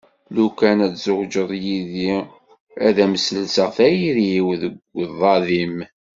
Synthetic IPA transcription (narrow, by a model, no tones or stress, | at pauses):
lukænæt͡szʊʁd͡ʒəðˤjiði | æðæməsəlsəʁθæjiɾiwðəɡʷðˤɑðim